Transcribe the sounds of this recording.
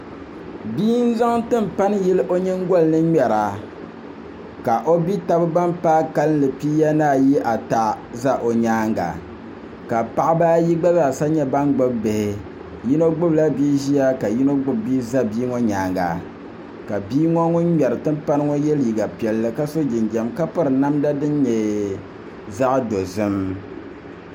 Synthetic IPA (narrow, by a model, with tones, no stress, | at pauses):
biː˦n˦za˦ŋtɨ˦m̩˨pa˦nɨ˦jɛ˦lɨ˦ʔo˦ɲɛ˦ŋ˦ɡɔ˦lnɨ˦ɲɛ˨ɾa˨ | ka˨ʔo˦bi˦ta˦bɨ˦ba˦mpaː˦ka˦lɨ˦n˦lɨ˨piː˦ja˦naː˦˨ji˦ʔa˨ta˨ | za˦ʔo˨ɲaː˦ŋɡa̰˨ | ka˨pa˦ʔa˦baː˦ji˦ɡ͡ba˦za˦˨sa˦ɲɛ˦ba˦nɡ͡bɨ˦bbe˨hɪ˨ | ji˦no˦ɡ͡bʊ˦bla˦biː˦ʒi˦ja˦ka˨ji˦no˦ɡ͡bʊ˦bbiː˦za˦biː˦ŋɔ˦ɲaː˨ŋɡa̰˨ | ka˨biː˦ŋɔ˦ŋʊ˦n˦ɲɛ˨ɾɨ˨tɨ˦m˦pa˦nɨ˦ŋɔ˦jɛ˦lji˨ɡa˨pi˨ɛ˨lːɨ˦ka˦so˦d͡ʒɪ˨nɡɛ˨mka˦pɨ˦ɾɨ˨na˦mda˦dɨ˦nɲɛ˨ | za˦ʔdo˨zɨ˦m